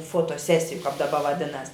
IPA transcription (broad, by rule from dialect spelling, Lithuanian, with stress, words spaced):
foːtoːˈsʲæːsʲɪjʊ kɐp dɐˈbɐ ʋɐˈdʲɪnɐs